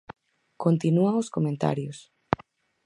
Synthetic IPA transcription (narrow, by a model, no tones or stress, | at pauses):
kont̪inuaŋoskomẽnt̪a̰ɾjos